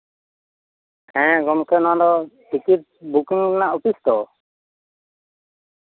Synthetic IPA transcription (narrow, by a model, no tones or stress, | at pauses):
kɛ̃jɛ̃ɡɔmkɛnɔãd̪ɔʈikit̪̚bukiŋɛnaʔɔpisd̪ɔ